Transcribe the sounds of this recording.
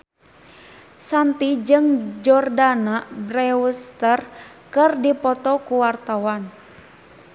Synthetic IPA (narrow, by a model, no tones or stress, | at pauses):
sant̪id͡ʒɨŋd͡ʒɔrdanabrɛwust̪ər | kɨrdipɔt̪ɔkuwart̪awan